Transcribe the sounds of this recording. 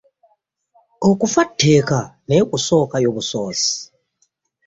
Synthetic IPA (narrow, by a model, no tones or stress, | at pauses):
okufatʰːeːkanekuso̞ːkajoβusoːsi̥